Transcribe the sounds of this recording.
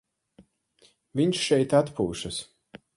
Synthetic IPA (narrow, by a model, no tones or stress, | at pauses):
vʲiɲʃʃɛjt̪at̪pṵːʃɐs